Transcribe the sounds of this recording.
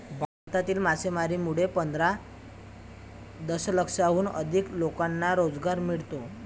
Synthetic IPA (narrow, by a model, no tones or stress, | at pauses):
bʱaɾt̪at̪iːlmasʰemaɾimuɽepənd̪ʱɾa | d̪əsləkʂaɦuːnə̰d̪ʱiklokanːaɾod͡zɡaɾmiɭt̪o